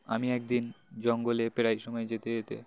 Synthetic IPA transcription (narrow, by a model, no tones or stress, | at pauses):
a̰miɛk̚d̪ind͡ʑɔŋɡolepeɽajʃɔmɔed͡ʑet̪ed͡ʑet̪ḛ